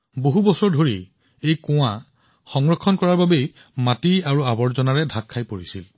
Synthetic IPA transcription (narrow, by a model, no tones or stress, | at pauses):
boɦubɔsɔɹdʱoɹi | ejkʊ̃w̃a | xɔŋɹɔkʰːɔnkɔɹaɹbabej | matiaɹuabɔɹzɔnaɹɛdʱakʰːajpoɹisil